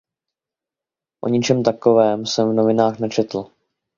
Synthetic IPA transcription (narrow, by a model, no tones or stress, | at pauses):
ʔo̞̰ɲɪt͡ʃɛmt̪ako̞vɛːmsɛmvno̞vɪnaːxnɛt͡ʃɛt̪l̩